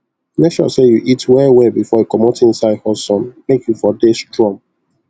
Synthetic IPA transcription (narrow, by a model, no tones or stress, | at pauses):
lɛtʃɔ̰sejuʔitwɛwebifɔekɔmotĩnsaɪdhɔsɔ̃nmekjufɔdestɹɔ̃m